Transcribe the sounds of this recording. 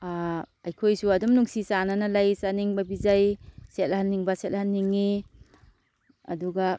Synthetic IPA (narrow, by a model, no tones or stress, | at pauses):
a | ɐjkʰojsuɐdumnuŋsisananalajsaniŋbɐbizajset̚hanːiŋbɐset̚lhanːiŋːi | ɐ̰duɡa